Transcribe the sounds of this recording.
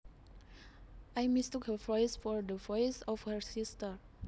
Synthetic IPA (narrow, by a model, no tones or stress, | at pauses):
ʔajmistukhəvɔjsfɔɹd̪əvɔjsɔfhəɹsistəɹ